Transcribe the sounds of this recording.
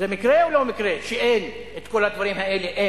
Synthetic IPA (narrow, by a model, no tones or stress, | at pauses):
zemikʁeolomikʁeʃeʔen | et̪ko̞lhad̪vaʁimhaeleʔe